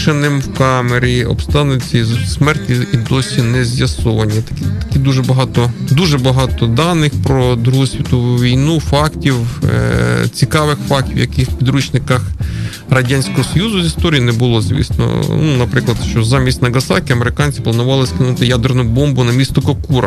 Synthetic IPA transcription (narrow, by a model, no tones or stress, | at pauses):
ʃenɪmwkɑmeɾʲiɔ̰bst̪ɑnʊt͡sʲːɐizʲsmɛrtʲiid̪ɔsʲinɛzʲjɐsɔʋɐnʲːit̪ɐ̥kʲit̪ɐ̥kʲid̪uʒɛbɐɦɑt̪ɔd̪uʒɛbɐɦɑt̪ɔd̪ɑnɪxpɾɔd̪ɾuɦɔsʲʋʲit̪ɔʋuʋʲijnufɑktʲiw̰ | t͡sʲikɑʋɪxfɑk̚tʲiwjɐkɪxwpʲid̪ɾut͡ʃnɪkɐx | rɐdʲanʲsʲkɔɦɔsɔjuzʊzʲist̪ɔɾʲijinɛbʊlˠɔzʲʋʲḭsnɔ̰nunɐpɾɪklˠɐd̪ʃt͡ʃɔzɑmʲisʲtʲnɐɡɐsɑ̰kʲiɐmeɾɪkɑnʲt͡sʲi̥plˠɐnʊʋɑlˠɪskɪnut̪ɪjad̪ernʊbɔmbʊnɐmʲist̪ɔkɔkuɾɐ̰